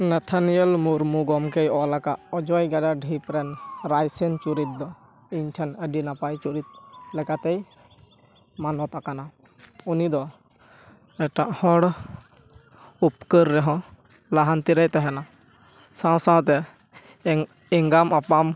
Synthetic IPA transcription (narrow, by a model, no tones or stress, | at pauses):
nɛt̪ʰanijəlmuɾmuɡɔmkejɔlakaʔɔd͡ʒɔjɡaɖaɖʱipɾɛnɾajsɛnt͡ʃuɾit̪̚d̪ɔ | iɲʈʰɛnəɖinapajt͡ʃuɾit̪̚lɛkat̪ɛj | manɔt̪akana | unid̪ɔ | ɛʈaʔhɔɽ | upkəɾːɛɦɔ̃ | laɦant̪iɾəjt̪ɛɦɛna | sãw̃saw̃t̪ɛ | ɛŋɡamapam